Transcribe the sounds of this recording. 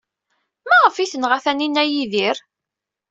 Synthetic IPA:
mæʁəfiθənʁæθæninːæjiðiɾ

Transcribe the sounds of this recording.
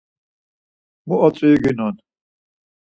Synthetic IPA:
muɔt͡sʼiiɡinɔn

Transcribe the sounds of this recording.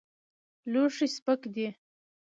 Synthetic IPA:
loʂispəkd̪i

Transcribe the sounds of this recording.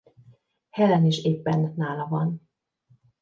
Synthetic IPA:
hɛlɛneːʃeːpːɛnːaːlɒvɒn

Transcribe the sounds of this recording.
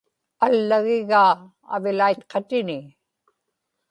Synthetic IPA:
alːaɣɪɣa̰ː | vɪlajt̪qʰɑt̪ɪnɪ

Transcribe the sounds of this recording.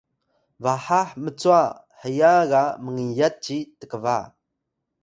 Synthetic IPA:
vaħaħmət͡sua | ħəjaɣaməŋijat̚t͡ʃitəkəva

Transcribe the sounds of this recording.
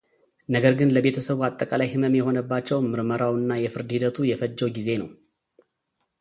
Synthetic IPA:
nəɡəɾɡɨnləbe̞t̪ʰəsəβuat̪ʼːəkʼalajhɨməmjɛɦo̞nəbːat͡ʃːɛwmɨɾməɾawɨnːajɛfɨɾd̪hid̪ət̪ʰujɛfəd͡ʒːɛwɡize̞nəw

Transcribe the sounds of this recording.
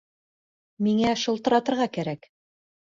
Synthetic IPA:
miŋæʃŏlˠt̪ɤ̆ɾɑt̪ɤ̆ɾʁɑkæɾæk

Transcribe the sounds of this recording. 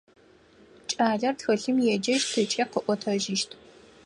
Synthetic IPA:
t͡ʃʼaːɮɐrtxɐɬɨmjɛd͡ʒɐʒtʰɨt͡ʃʼɐqəʔʷɔtʰɐʒɪʃtʰ

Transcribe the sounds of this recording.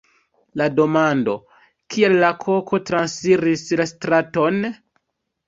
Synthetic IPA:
lado̞mando̞ | kʰielːakʰo̞kʰo̞tɾansfiɾislastɾato̞n

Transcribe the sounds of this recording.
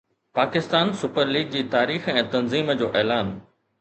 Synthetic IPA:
paːkɪst̪aːnsʊpəɾliːɡ̚d͡ʑiːt̪aːɾiːxɛ̃ːt̪ɐnziːməd͡ʑoːʔɛːlaːn

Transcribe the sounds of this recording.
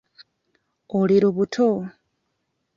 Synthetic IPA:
oliɾoβutʰo

